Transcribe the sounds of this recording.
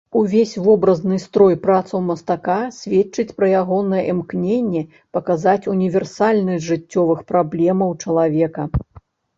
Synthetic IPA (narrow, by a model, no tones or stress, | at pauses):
uvʲesʲvɔbɾɐznɨst̪ɾɔjpɾat̪sɐwmɐst̪akasʲvʲet͡ʂɨt͡sʲpɾɐjaɣɔnɐjɛʔɛmknʲenʲːɛ | pɐkazat͡sʲunʲivʲɛrsalʲnɨʐɨt͡sʲːɔvɨxpɾablʲɛmɐwt͡ʂɐlˠavʲɛkɐ